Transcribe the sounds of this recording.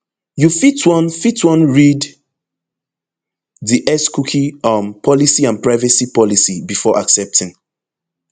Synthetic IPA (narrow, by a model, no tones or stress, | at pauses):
jufitwɔ̃nfitwɔ̃nɹid | ðiʔɛskukʰiʌ̃mpʰɔlisiãnpɹaɪvɛsipɔlisibifɔʔaksɛp̚tʰɪ̃ŋ